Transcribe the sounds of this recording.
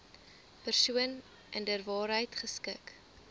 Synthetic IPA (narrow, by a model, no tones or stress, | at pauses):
pərsuən | ʔɛndərvɑːɾɦəjtχəskək